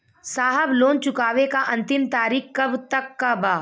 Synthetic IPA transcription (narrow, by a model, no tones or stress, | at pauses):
saːɦəbloːnt͡ʃʊkaːʋekaʔɐ̃nt̪ɪmt̪aːɾiːxkːɐbt̪ɐkːabaː